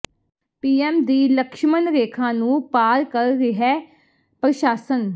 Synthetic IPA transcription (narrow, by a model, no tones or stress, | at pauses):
piːɛːmd̪iːləkʃmənɾeːkʰãːnũːpaːɾkəɾɾɪɦɛː | pɾəʃaːsən